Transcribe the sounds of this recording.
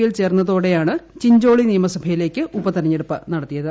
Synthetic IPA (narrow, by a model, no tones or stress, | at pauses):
jilt͡ɕe̞ːrnːɐðoːɽe̞jaːɳɨt͡ɕiɲd͡ʑo̞ːɭinijɐmɐsɐbʱɐjile̞ːkʲːɨʔubɐt̪ɐɾɐɲːeɽupːɨnɐɽɐt̪ːijɐðɨ